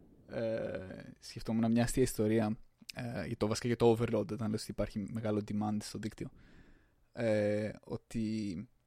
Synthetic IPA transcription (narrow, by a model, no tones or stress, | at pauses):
e | sceft̪omenɐmɲɐɐst̪iɐist̪o̞ɾiɐ | ʝɐt̪ovɐsi̥kacet̪ooveɾlod̪ot̪ɐnɐlesot̪iːpɐɾçime̞ɣɐlod̪imɐnd̪est̪o̞ðikt̪io̞ | eo̞̰t̪i